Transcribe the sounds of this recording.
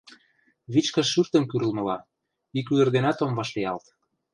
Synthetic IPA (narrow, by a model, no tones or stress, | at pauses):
βit͡ɕkə̆ʃːyrt̪ə̆mkyɾə̆lmɤ̆lɑ | ikylə̆rd̪ĕnɑt̪omvɑʃlejɑlt̪